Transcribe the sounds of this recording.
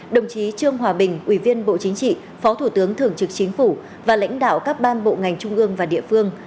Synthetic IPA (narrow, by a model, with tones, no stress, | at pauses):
ɗə˨˩wŋ͡mt͡ɕi˨˦t͡ɕɨ˧əŋɦwaː˨˩ɓï˨˩ŋ̟ʔwi˧˩vi˧ənɓo̰˧˨t͡ɕï˨˦ŋ̟t͡ɕḭ˧˨ | fɔ˨˦t̪ʰu˧˩t̪ɨ˨˦əŋt̪ʰɨ˧˩əŋt͡ɕɨ˨˦˩k̚t͡ɕï˨˦ŋ̟fu˧˩ | vaː˨˩la̰˧˥jŋ̟ɗa̰ː˧˨wkaː˦˥k̚ɓaː˧nɓo̰˧˨ŋa˨˩jŋ̟t͡ɕʊ˧ŋ͡mʔɨ˧əŋvaː˨˩ɗḭ˧˨əfɨ˧əŋ